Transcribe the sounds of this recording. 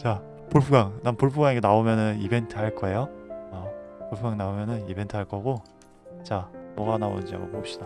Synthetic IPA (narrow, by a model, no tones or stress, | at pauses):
t͡ɕa | poɭpʰuɡaŋnampoɭpʰuɡaŋeɡenaomjʌnɯnibe̞ntʰɯɦaɭk͈ʌe̞joʌpoɭpʰuɡaŋnaomjʌnɯnibe̞ntʰɯɦaɭk͈ʌɦaɡo | t͡ɕamʌɡanao̰nnd͡ʑia̰ɡo̰bopɕ͈id̥a